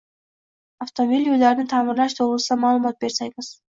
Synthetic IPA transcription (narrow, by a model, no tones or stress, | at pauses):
aft̪omobʲilʲjud̪ɑɾnint̪ʰɑːmɯɾlˠɑʃd̪olˠusɑmɑːlˠɯmɑt̪̚be̞ɾsɑjbɯz̥